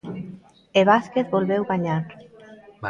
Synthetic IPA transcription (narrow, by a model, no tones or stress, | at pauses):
eβaskeθbolβɛwβaɲaɾ